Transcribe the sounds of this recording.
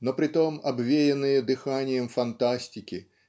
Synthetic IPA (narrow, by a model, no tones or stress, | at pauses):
nɔpɾɨt̪ɔmabvʲejɛnɨjɐd̪ɨxanʲɪjɛmfant̪asʲtʲikʲi